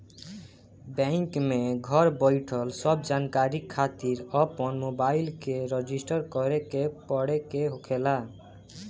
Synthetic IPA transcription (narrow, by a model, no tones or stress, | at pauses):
bɛ̃ŋkmeɡʱɔɾbɔjʈʰɔlsɔbd͡ʒankaɾikʰːat̪iɾɔpɔnmobailkeɾɔd͡ʒisʈəɾkɔɾekepɔɽekeɦokʰela